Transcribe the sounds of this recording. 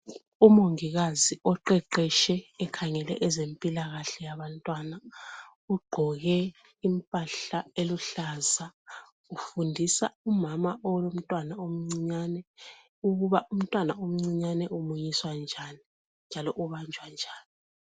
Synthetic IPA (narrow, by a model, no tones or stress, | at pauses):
umoŋiɣaziɔǃɛǃɛʃɛːkʰaŋɛlɛ̰ʔɛzempʼilaɣaɬɛjaβantʼwana | uɡ͡ǃʱɔɣɛ | impʼaɬaeluɬaza | ufundʱisa̰umamaʔɔwlom̩tʼwanaom̩ŋ͡ǀiɲanɛ | uɣuβaʔum̩tʼwanaom̩ŋ͡ǀiɲanɛʔumujiswand͡ʒʱaːni | nd͡ʒʱalɔʔuβand͡ʒʱwand͡ʒʱaːni